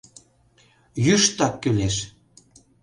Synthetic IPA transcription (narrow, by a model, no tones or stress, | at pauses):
jyʃt̪ɑkːyleʃ